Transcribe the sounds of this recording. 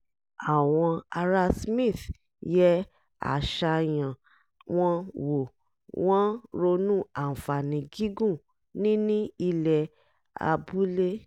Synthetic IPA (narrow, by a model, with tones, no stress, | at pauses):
a˨w̃ɔ̃˧a˧ɾa˦smĩ˦˨θ | jɛ˦ | a̰˦˨ʃa˧j̃ã˨ | w̃ɔ̃˦wo˨ | w̃ɔ̃˦ɾo˧nũ˦a˨fa˨nĩ˨ɡi˦ɡũ˦˨ | nĩ˦nĩ˦i˧lɛ˧ | a̰˧bu˦le˦